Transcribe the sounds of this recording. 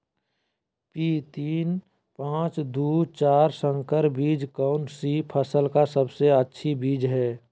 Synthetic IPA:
pit̪iːn | pãːt͡ʃd̪uːt͡ʃaːɾsə̃ŋkəɾbiːd͡ʒkaʊnsipʰəsəlkasəbseətːʃʰibiːd͡ʒɦɛː

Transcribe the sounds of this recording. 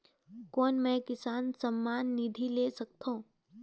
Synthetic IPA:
kɔːnmɛ̃kɪsaːnsɐmːaːnːid̪ʱileːsɐk̚t̪ʰõː

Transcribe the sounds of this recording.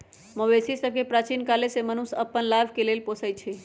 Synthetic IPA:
mowesisəbkepɾat͡ʃinkalesemənusəpːənlabʱkelelposəjt͡ʃʰi

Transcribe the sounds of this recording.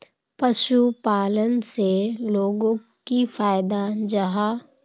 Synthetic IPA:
pɐʃupaːlənseloːɡõ | kifaːɪd̪ad͡ʒɐɦa

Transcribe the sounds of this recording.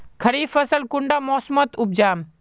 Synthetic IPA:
kʰɐɾiːfəsəlkʊɳɖaːmɔːsmət̪ʊb̚d͡ʒaːm

